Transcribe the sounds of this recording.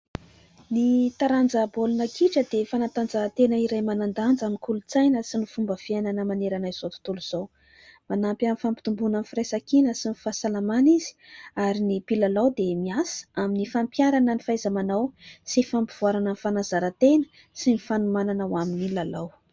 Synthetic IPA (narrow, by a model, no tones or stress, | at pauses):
nit̪aɾand͡zəbolunəkʰiʈ͡ʂəd̪efanant̪and͡zat̪enəiɾajmanand̪and͡zamikulut͡sajnəsinifumbəv̥iananəmaneɾanaiz̥ot̪u̥t̪uluz̥ow | manampamifampi̥t̪umbunanifirajsakinəsinifasalamaniz̥i̥aɾinipilalawd̪emiasə̥aminifampjaɾanənifazamanawsifampiv̥uaɾanənfanazaɾət̪enə̥ | sinifanumananawaminilalaw